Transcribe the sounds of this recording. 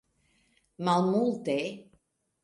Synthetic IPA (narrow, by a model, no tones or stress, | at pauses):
malˠmulˠt̪e